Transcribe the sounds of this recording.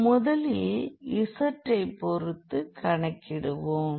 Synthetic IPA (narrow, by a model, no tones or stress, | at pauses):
mʊðɐlɪeɪsɐʈrɐɪpːɔɾɯt̪ːɯkɐɳɐkːɪɽɯʋoːm